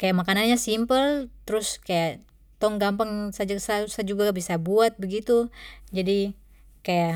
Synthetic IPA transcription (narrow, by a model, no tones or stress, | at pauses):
kajaʔmakananɲasimpəlt̪əɾʊskajaʔ | t̪ɔŋɡampaŋsad͡ʒasausad͡ʒuɡabisabuat̪̚bəɡit̪ud͡ʒadi | kaja